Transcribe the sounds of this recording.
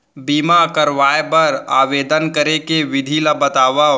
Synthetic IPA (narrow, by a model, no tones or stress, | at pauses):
biːmakɐɾʋaːjepɐɾa̰ːʋeːd̪ənkəɾekeʋɪd̪ʱilabət̪aːʋa